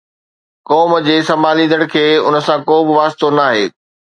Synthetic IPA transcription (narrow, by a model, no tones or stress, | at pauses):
kɔːmd͡ʑeːsɐmaːlĩːnd̪əɽ̃̆kʰeːʊnə̆sãkoːbɪʋaːst̪onaːɦḛː